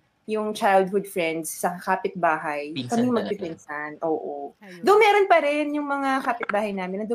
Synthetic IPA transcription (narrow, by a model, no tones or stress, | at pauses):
jʊŋt͡ʃajld̪̚hʊd̪̚fɹɛnd̪sːɐɐkaːpɪt̪̚baːɦɐjkɐmɪŋmɐɡ̚pɪpɛnsɐnʔoːʔod̪ʊnmɛːɾonpɐɾɛnjʊŋmɐŋakaːpɪt̪̚baːhɐjnaːmɪnːɐd̪o